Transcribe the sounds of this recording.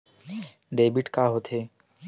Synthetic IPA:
ɖebiʈkaɦot̪ʰe

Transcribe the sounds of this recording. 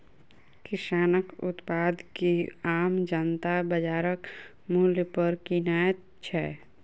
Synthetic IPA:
kɪsaːnəkʊ̰t̪paːd̪kiaːmd͡ʒənt̪abəd͡ʒaːɾək | muljpəɾkinaːjət̪ | t͡ʃʰɛ

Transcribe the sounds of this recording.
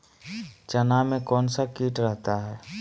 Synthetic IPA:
t͡ʃənamẽkɔːnsakiːʈɾɛɦt̪aɦɛː

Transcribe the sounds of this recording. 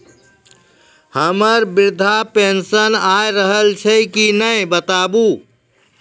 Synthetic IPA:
həməɾbiɾd̪ʱapensənajɾəɦəlt͡ʃʰəkinəjbət̪abu

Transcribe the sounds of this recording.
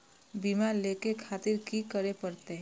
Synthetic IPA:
biːmaɾlekekʰaːt̪ɪɾkikəɾepəɾt̪e

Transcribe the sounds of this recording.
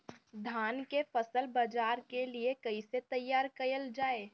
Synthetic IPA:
d̪ʱaːnkefɐsəlbɐd͡ʒaːɾkeliekɐiset̪ɐjːaːɾkɐjəld͡ʒaːeː

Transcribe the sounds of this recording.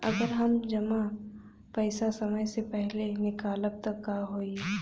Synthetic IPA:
ɐ̰ɡəɾɦɐmd͡ʒɐma | pɛɪsasɐməjsepɛɦlenɪkaːləb̚t̪ɐkːaːɦoːi

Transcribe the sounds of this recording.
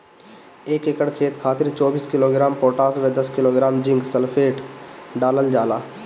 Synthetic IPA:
eːkekəɽkʰeːt̪kʰaːt̪ɪɾt͡ʃɔːbiːskɪloːɡɾaːmpoːʈaːsʋed̪ɐskɪloːɡɾaːmd͡ʒɪ̃ŋɡsəlpʰeːʈɖaːləld͡ʒaːlaː

